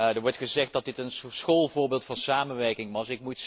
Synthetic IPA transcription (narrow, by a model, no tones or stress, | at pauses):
dəɹʋɔɹtχəzɛχt̚d̥ɑt̚dɪtənsχolˠvʊːɹbɪːlˠtfɑnsaːmənʋɛɹkɪŋʋɑsɪk̚mut